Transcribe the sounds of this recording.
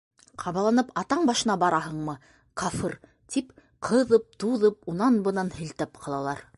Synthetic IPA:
qʰɑβɑlˠɑnɤpɑt̪ɑɴbɑʃɤ̆nɑbɑɾɑɦɤɴmɤ | qofɤɾ | t̪ip | qʰɤ̆ðɤp̚t̪uðɤpunɑnbɤ̆nɑnhɘ̆lt̪æpqʰɑlˠɑlˠɑɾ

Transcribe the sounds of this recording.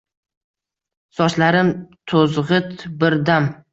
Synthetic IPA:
sɒʃlaɾɪmt̪ʰozʁɨt̪bɪɾd̪am

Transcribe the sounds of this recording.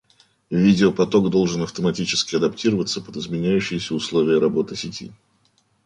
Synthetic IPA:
vʲidʲɪopɐt̪o̞ɡd̪o̞lˠʐɨnɐft̪əmɐtʲit͡ɕɪ̥skʲɪɐd̪ɐptʲiɾəvət̪səpəd̪ɪzmʲɪnʲæjʉɕːɪjəsʲəʊslˠo̞vʲɪjəɾɐbo̞t̪ɨsʲɪtʲḭ

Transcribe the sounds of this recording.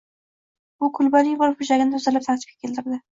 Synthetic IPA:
ʊkʰʊlbalɪŋʲbolˠɪpʊʃaɡʲɪnɪt̪ʰʊzalɪp̚t̪ʰaɾt̪ʰɪ̥p̚kʰʲkʲʰe̞lt̪ɪɾd̪ɪ

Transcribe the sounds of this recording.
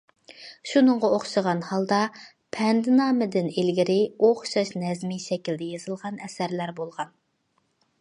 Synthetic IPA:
ʃunɨɴʁɑoχʃɨʁɑnhɑlˠd̪ɑ | pʰɛnd̪ɨnɑːmɪd̪ɪnelɡʲiɾɪoχʃɑʃnɛzmiʃɛkʲild̪ɛjɑzɨlˠʁɑnɛsæɾlæɾbolˠʁɑn

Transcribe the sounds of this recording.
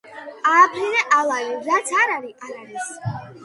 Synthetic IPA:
aːpʰɾɛnɛʔalˠaɾiɾat̪sʰaɾaɾiʔaɾaɾis

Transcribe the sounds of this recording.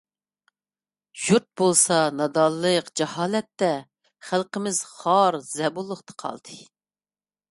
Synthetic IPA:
ʒ̥ut̪̚bolˠsɑnɑd̪ɑlˠːəqd͡ʒɛhɑːlɛt̪ːɛ | χælˠqəmɪz̥χɑɾzɛbulˠːʊχt̪ʰə̥qʰɑ̰lˠd̪̥ɨ

